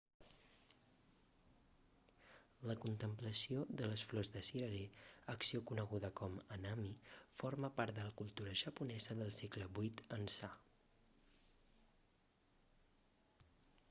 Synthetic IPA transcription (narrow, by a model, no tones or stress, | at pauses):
ləkunt̪əmpləsioðələsflɔzðəsiɾəɾeəksiokunəɣ̞uðəkɔmənamiforməpaɾt̪d̪ələkulˠt̪uɾəʒəpunɛzəðəlˠsɛkləβujt̪ənsa